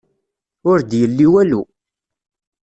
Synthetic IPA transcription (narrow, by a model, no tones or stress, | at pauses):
ʊɾd̪jəlːiwælu